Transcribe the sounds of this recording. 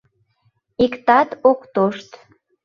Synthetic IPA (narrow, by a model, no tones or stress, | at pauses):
ikt̪ɑt̪okt̪oʃt̪